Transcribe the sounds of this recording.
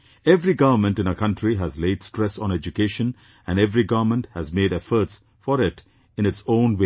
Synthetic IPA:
ɛvɾiɡʌʋəmə̃nʈɨ̃nəkʰʌ̃nʈʰɾiɦæzleɪdsʈɾɛsɔ̃nɛd͡ʒukeːʃə̃n | æ̃nɖɛvɾiɡʌʋəmə̃nʈhæzmeːɾɛfəɾʈs | fɔɾɪt | ɨ̃ñɨtsõːnwe

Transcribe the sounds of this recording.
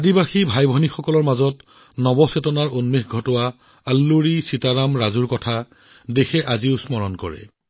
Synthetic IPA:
adibaxibʱajbʱɔnixɔkɔlɔɹmazɔt | nɔbɔsetɔnaɹonmexɡʱɔtɔwa | alːuɹisitaɹamɹazuɹkɔtʰa | dexɛʔaziʊsmɔɹɔnkɔ̰ɹɛ̰

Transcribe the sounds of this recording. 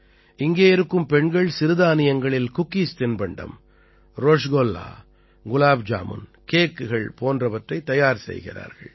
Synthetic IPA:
ʔɪŋɡeːɪɾɯkːɯmpɛɳɡɐɭsɪɾɯðaːnɪjɐŋɡɐɭɪlkʊkːiːst̪ɪnbɐɳɖɐ̰m | ɾoːʂɡoːlːa̰ː | ɡʊlaːbd͡ʒa̰ːmɯ̰nkeːkːɯɣɐɭpoːndrɐʋɐʈrɐɪt̪ːɐjaːɾsɛ̰jɣɪ̰ra̰ːɾɣɐ̰ɭ

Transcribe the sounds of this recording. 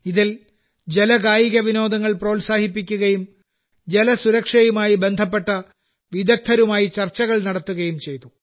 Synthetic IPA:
iðil | d͡ʑe̞lɐɡaːjiɣɐʋino̞ːd̪ɐŋːɐɭpro̞ːlsaːhipːikʲːuɣɐjum | d͡ʑe̞lɐsuɾɐkʂɐjumaːjibe̞nd̪ʱɐp̬ːe̞ʈːɐ | ʋid̪ɐk̚t̪ʰɐɾumaːjit͡ɕɐrt͡ɕːɐɣɐɭnɐɽɐt̪ːuɣɐjumt͡ɕe̞jt̪u

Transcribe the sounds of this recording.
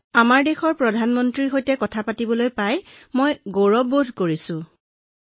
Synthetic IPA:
amaɹdexɔɹpɹɔdʱanmɔntɹiɦojtɛkɔtʰapatibɔlojpaj | mojɡoɹɔbodʱkoɹisʊ̃

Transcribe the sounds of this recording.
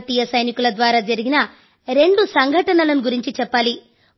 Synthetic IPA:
t̪iːjɐsɐjnikulɐd̪ʋaːɾaːd͡ʒɐɾiɡinɐ | ɾe̞ɳɖusɐŋɡʱɐʈɐnɐlɐnuɡuɾiɲt͡ʃit͡ʃɛpːaːli

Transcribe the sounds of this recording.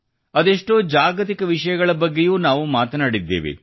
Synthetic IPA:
ɐd̪eʂʈoːd͡ʒaːɡɐt̪ikɐʋiʂɐjɐɡɐɭɐbɐɡːejuːnaːʋumaːt̪ɐnaːɽid̪ːe̞̰ːʋḛ

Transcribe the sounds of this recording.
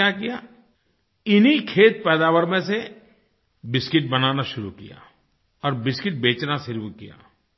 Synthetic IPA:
akija | ɪnikʰeːt̪̚pɛːd̪aːwəɾmẽse | bɪskɪʈ̚bɐnaːnaʃʊɾukḭja̰ː | ɔːɾbɪskɪʈ̚beːt͡ʃnasɪɾwkija̰ː

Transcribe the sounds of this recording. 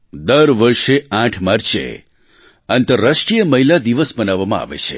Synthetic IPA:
d̪əɾʋəɾʃeãʈʰmaɾt͡ʃʰḛ | ənt̪əɾːəʃʈɾijəməɦilad̪iʋəsbənaʋːamãa̰ʋḛt͡ʃʰḛ

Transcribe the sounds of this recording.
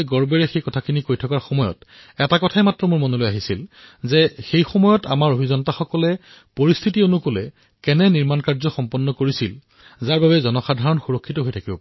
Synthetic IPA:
jɡɔɹbɛɹɛxejkɔtʰakʰinikojtʰɔkaɹxɔmɔjɔ̰t | ɛtakɔtʰaɛmatɹɔmʊɹmɔnolojaɦisilzɛxejxɔmɔjɔta̰maɹobʱizɔntaxɔkɔlɛ | poɹistʰitionukolɛ | kɛnɛniɹmankaɹzɔxɔmpɔnːɔkoɹisil | zaɹbabɛzɔnɔxadʱaɹɔnxuɹokʰːitɔɦojtʰakibɔpa

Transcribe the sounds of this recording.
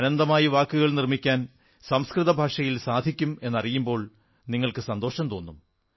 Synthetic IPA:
ɐnɐnd̪ɐmaːjiʋaːkːuɣɐɭnirmikʲːaːn | sɐmskrɨðɐbʱaːʂɐjilsaːd̪ʱikʲːume̞nːɐrijumbo̞ːɭ | niŋːɐɭkɨsɐnd̪o̞ːʂɐmt̪o̞ːnːum

